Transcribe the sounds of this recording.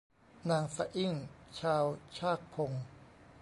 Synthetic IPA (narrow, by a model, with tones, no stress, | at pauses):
naː˧ŋsa˧ʔi˥˩ŋt͡ɕʰaː˧wt͡ɕʰaː˥˩k̚pʰo˧ŋ